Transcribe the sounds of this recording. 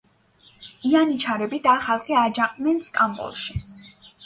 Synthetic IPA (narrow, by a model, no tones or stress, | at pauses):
ianit͡ʃʰaɾɛbid̪aːχalˠχɛad͡ʒaqʼnɛnst̪ʼambʼɔ̰lˠʃi